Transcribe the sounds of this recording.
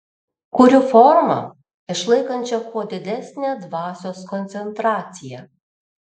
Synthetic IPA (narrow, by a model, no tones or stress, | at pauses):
kʊɾʲʊfɔɾmɐ̰ | ɪʃlˠɐɪkɐnʲt͡ʃʲɛkʰoːd̪ʲɪd̪ʲæsʲnʲed̪ʋɑːsʲoːskɔnʲt̪ʲɛnt̪ɾɑːt̪sʲɪjɛ